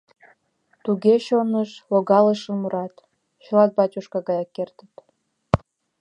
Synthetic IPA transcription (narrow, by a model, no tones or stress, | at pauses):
t̪uɣeɕonəʃloɣɑləʃəmuɾɑt̪ | ɕə̆lɑt̪̚bɑt͡ɕuʃkɑɣɑjɑkːert̪ə̥t̪